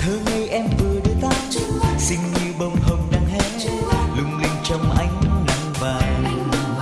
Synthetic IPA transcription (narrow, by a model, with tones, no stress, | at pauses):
t̪ʰəː˨˧ŋə˧˩jʔɛ˧mvɨ˨˩əɗɨ˧t̪aː˦˥t̚t͡ɕɨ˧˦sï˧ŋ̟ɲɨ˧ɓə˧wŋ͡mhə˧wŋ͡mɗaː˧ŋhɛ˧˦˥t͡ɕɨ˧˦lʊ˧ŋ͡mli˧ŋ̟t͡ɕɔ˧wŋ͡mʔa˧˦jŋ̟na˨˩ŋ͡mvaː˨˩